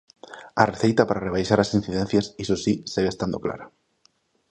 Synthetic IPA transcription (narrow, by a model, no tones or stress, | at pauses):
areθe̞jt̪apaɾareβ̞ajʃaɾasin̟θiðen̟θjasisosiseɣest̪and̪okla̰ɾa